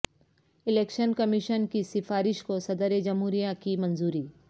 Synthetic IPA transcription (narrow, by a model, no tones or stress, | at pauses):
ɪleːkʃənkɐmɪʃənkisɪfaːɾɪʃkosɐd̪əɾed͡ʒɐmɦuːɾijakimɐ̃nzuːɾiː